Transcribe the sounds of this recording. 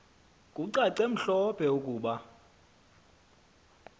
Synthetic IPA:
kʼuǀaǀem̩ɬɔpʰɛukʼuːɓa

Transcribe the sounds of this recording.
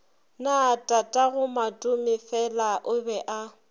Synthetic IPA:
natʼatʼaɣʊmatʼʊmɪfɛlaʔʊbɛʔa

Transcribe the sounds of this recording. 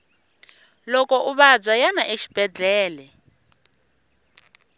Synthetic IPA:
lɔkɔʔuβab͡ʐajanaʔeʃi̥b̥ʱɛd͡ɮʱɛːlɛ

